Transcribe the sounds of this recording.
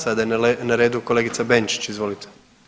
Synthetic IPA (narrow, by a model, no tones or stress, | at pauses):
sad̪ajenaɾeːd̪uko̞leɡit̪sabe̞nt͡ʃi̥t͡ɕizʋo̞ːlit̪ʰe̥